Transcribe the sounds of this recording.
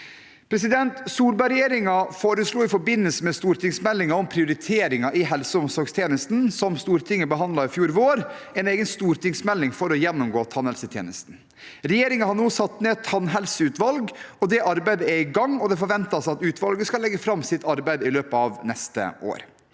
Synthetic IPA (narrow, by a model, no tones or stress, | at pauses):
pʰɾɛs̬ɪd̪ɛnt̪suːɾbɑɾɛjeːɾɪŋɑfoːɾəsluːɪfɔɾbɪnːəlsəmɛst̪uːɾʈ̪ɪŋsmɛlːɪŋɑɔmpʰɾɪʊɾɪt̪ʰeːɾɪŋɑʔɪɦɛlsəʊmsɔɾɡst̪ʰjeːnəst̪n̩sɔmst̪uːɾt̪ʰɪŋːəbəɦɑnd̪lɑɾɪfjuːɾʋoːɾɛneːɡənst̪uːɾt̪ɪŋsmɛlːɪŋfɔɾɔjɛnːʊmɡoːt̪ʰɑnhɛlsət̪ʰjḛːnəst̪n̩ | ɾɛjeːɾɪŋɑhɑnuːsɑt̪ːneːt̪ʰɑnɦɛlsəʉːt̪ʋɑlɡɔd̪ɛʔɑɾbæɪd̪əɛɪɡɑŋɔd̪ɛfɔɾʋɛnt̪ɑsɑt̪ʉːt̪ʋɑlɡəskɑlɛɡːəfɾɑmːsɪt̪ɑɾbæɪd̪ɪløːpəɑʋnɛst̪ə̰o̰ːɾ